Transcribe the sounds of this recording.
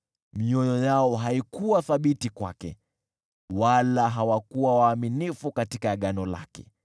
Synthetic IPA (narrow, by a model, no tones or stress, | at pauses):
miɔjɔjaɔɦaikuwaθaɓitikwa̰kɛ̰ | walaɦawakuwawaːminifukatikaɠanɔla̰kɛ̰